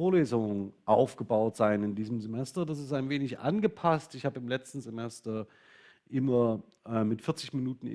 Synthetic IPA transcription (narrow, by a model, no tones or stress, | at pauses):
oːɐleːzʊŋəʔaʊfɡ̥əbaʊtz̥aɪnɪndiːzəm̩zemɛstɐdas̬ɪstaɪnveːnɪçʔa̰nɡəpʰastɪçhaːbəɪmlɛt͡stn̩zemɛstɐ | ʔɪmɐ | ʔɛːmɪtfɪɐt͡sɪçminuːtn̩ɪ̰